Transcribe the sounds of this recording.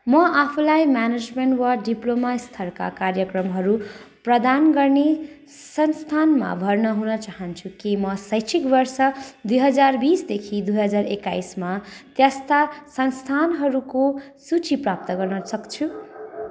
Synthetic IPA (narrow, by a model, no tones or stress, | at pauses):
mʌʔapʰulajmaned͡zmeɳʈwaɖiplomast̪ʰʌrka̰karjʌkrʌmɦʌɾu | prʌd̪anɡʌrne | sʌnst̪ʰanma̰bʱʌrnʌɦunʌt͡saɦʌnt͡sʰukimʌsʌjt͡sʰikbʌrsʌd̪ujɦʌd͡zarbisd̪ekʰid̪ujɦʌd͡zarekːajsmat̪jast̪asʌnst̪ʰanɦʌɾukosut͡siprap̚t̪ʌɡʌrnʌsʌkt͡sʰu